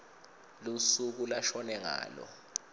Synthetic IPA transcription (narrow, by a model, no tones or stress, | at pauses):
lusuk̬ulaʃɔnɛŋa̰ːlɔ̰